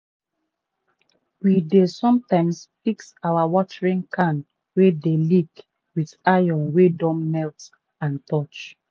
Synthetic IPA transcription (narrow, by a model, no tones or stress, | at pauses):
widesɔ̃mtãɪ̃msfiksawawɔtəɹĩŋkʰãn | wedelik | widajɔ̃nwedɔ̃mːɛlt | ãntɔt͡ʃ